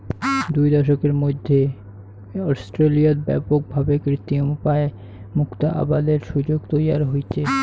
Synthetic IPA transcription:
d̪ujd̪ɔʃokeɾmod̪ʱːe | ɔsʈɾelioɾbɛ̰pok̚bʱabekɾit̪ːimupae | mukt̪aʔa̰bad̪eɾʃud͡ʑoɡt̪ojaɾɦojt͡ɕʰe

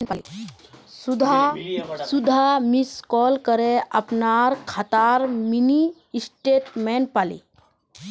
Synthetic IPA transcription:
ali | d̪ʱ | sud̪ʱamiskɔlkəɾeʔapnaɾkʰat̪aɾminiː | sʈeʈmɛnpalḭ

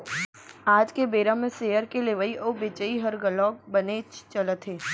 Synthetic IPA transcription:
aːd͡ʒkebeːɾãmẽseːjəɾkeleʋəiʔobet͡ʃəiɦəɾɡəlɔːk̚bənet͡ʃt͡ʃələt̪ʰeː

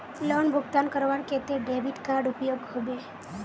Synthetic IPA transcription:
lɔɳbʱuɡt̪ankəɾʋaɳket̪eɖɾebiʈkaɾɖupjoɡɦobe

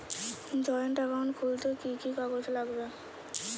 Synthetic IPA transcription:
d͡ʑɔeɳʈakankʰult̪ekikikaɡod͡ʑlaɡbe

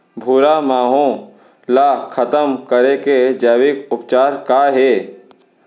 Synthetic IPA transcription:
bʱuːɾamaːɦõ | laːkʰɐt̪əmkəɾeked͡ʒɛːwɪkʊpt͡ʃaːɾkaɦeː

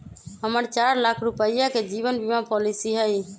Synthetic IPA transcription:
ɦəməɾt͡ʃaɾlakʰɾupəjaked͡ʒiʋənbimapɔlisiɦəi

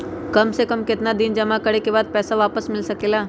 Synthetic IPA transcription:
kɐmsekɐmkɪt̪nad̪ɪnd͡ʒɐmakɐɽekebaːd̪̚pɛːsaʋaːpəsmɪlsɐkeːlaː

